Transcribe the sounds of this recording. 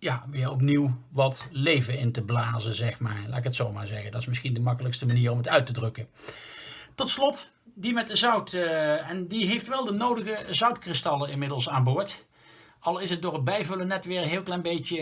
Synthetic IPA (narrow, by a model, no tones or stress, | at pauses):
jaʋɪːɹɔp̬niw | ʋɑtlejvəɪntəblaːzəzɛχmaːɹla̰ːtɪkətsowmaːɹzɛɣəndɑtɪsmɪsχindəmɑkələkstəmaniːɹɔmɦətœɥtədrɵkə | tɔtslɔt | dimɛt̚dəzʌwtɛndiɦejftʋɛlˠdənowdəɣəzʌwtkrɪstɑlˠəɪnmɪdəlˠsaːnbʊːɹt | ɑlˠɪsət̚dʊːrəbɛjvɵlənɛtʋɪːɹənɦɪːlˠklɛjnbejtə